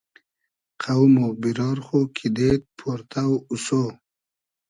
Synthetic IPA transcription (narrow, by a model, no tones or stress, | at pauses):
qʰawmobiɾɑɾχokʰid̪et̪̚pʰoɾt̪ʰawuso